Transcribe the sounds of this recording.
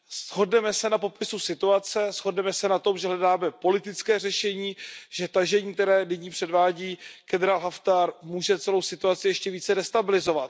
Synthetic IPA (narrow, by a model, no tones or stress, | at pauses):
sɦo̞dnɛmɛsɛnapo̞pɪsusɪt̪uat͡sɛsɦo̞dnɛmɛsɛnat̪o̞mʒɛɦlɛdaːmɛpo̞lɪt̪ɪt͡skɛːr̝ɛʃɛɲiːʒ̥ɛt̪aʒɛɲiːkt̪ɛɾɛːdɪɲiːpr̝̥ɛdvaːɟiːɡ̥ɛdɾaːlɦaft̪aɾmuːʒɛt͡sɛlo̞wsɪt̪uat͡sɪjɛʃcɛviːt͡sɛdɛst̪abɪlɪzo̞vat̪